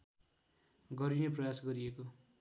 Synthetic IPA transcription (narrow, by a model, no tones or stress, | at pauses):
ɡʌɾineprʌjasɡʌɾieko